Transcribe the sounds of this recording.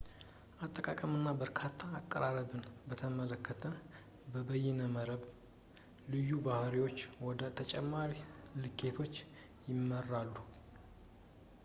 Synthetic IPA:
ʔat̪ʼːəkʼakʼəmɨnːabəɾkʰat̪ʰːaːkʼːəɾaɾəbɨnbət̪ʰəmələkʰːət̪ʰə | bəbəjɛnəməɾəβ | lɨjːubahɾiwo̞t͡ʃːwɔd̪ət̪ʰət͡ʃʼɛmːaɾilɨkʰːe̞t̪ʰo̞t͡ʃː | jɪmːərːalːu

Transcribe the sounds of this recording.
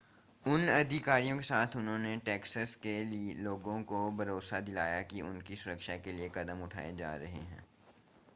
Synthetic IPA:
ʊnɐd̪ʱɪkaːɾijõkesaːt̪ʰʊnɦõneʈɛːksəskeloːɡõkobʱɐɾoːsad̪ɪlaːjakiʊ̰nkisʊɾəkʃakeliekɐd̪əmʊʈʰa̰ːed͡ʒa̰ːɾɐɦḛɦɛ̰̃ː

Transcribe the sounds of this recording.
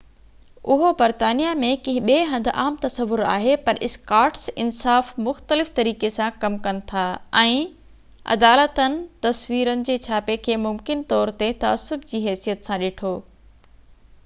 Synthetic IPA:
ʔʊɦobɐɾt̪aːnijamẽkɐ̃ɦɪ̃ɓeːɦɐ̃nd̪̆ʱʔaːmt̪ɐsəʋʊɾa̰ːɦepɐɾɪskaːɾʈsɪnsaːfmʊxt̪əlɪft̪ɐɾiːkesãkɐmkɐnɪ̆t̪ʰaːɛ̃ː | ɐ̰d̪aːlət̪ənɪ̆t̪ɐsʋiːɾənɪ̆d͡ʑeːt͡ɕʰaːpekʰeːmʊmkɪnt̪ɔːɾt̪et̪ɐə̰sʊbd͡ʑiːɦɛːsijət̪sãɗeːʈʰoː

